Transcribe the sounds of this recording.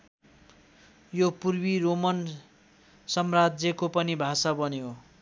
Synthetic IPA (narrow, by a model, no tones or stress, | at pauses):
jopurbiromʌn | sʌmrad͡zjʌkopʌnibʱasabʌnejo